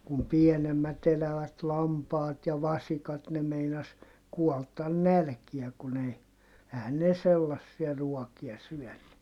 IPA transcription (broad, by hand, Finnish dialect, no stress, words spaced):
kum pienemːæt elæʋæt lɑmpɑːt jɑ ʋɑsikɑt ne meinɑs kuɔltɑn nælkiæ kun ei ehæn ne selːɑsːiɑ ruɔkiɑ syœˑnːy